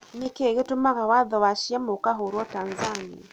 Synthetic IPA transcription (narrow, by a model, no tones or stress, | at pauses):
nikeɣetumaɣawaðɔwaʃiamokaɦoɾwɔtaːnzania